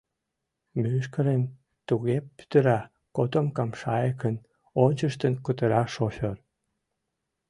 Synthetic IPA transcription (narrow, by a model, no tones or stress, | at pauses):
myʃkəɾen | t̪uɣepːy̥t̪əɾɑ | kot̪omkɑmʃɑjəkən | onʲt͡ɕəʃt̪ənkut̪əɾɑʃofʲor